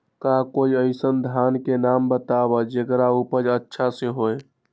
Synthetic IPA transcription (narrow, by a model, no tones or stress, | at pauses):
kakoiəɪsənd̪ʱankenambət̪aβəd͡ʒekɾaupəd͡ʒətːʃʰaseɦoj